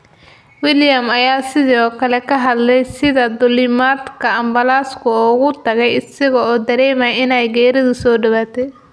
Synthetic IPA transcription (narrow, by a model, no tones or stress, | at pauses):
wɪljɐmɐjaːsɪðɔːkʰɐlɛkʰɐɦɐd̪lɛjsɪðɐd̪ʊlɪmad̪kʰɐɐmbɐlaːskʰʊɔːɣʊt̪ʰɐɣɛjɪsɐɣɐɔːd̪ɐɾɛːmɐjɪnɛjɡɛːɾɐðʊsɔːɖɪwaːt̪ʰɛ